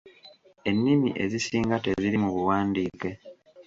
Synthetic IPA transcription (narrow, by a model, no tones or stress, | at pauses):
e̞nːimiʔe̞zisiːŋɡate̞ziɾimuβuwaːndiːke̞